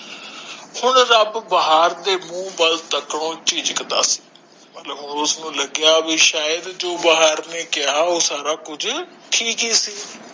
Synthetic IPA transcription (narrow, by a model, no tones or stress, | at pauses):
hʊɳɾəbbəɦaːɾd̪eːmũːbəlt̪əkɽoːt͡ʃiːd͡ʒkəd̪a̰ːsi̥ː | mət̪ləbɦʊnʊsnũːləɡɪjaːbiːʃaːjəd̪d͡ʒoːbaɦaːɾneːkɪaːoːsaːɾaːkʊd͡ʒʈʰiːkɦiːsiː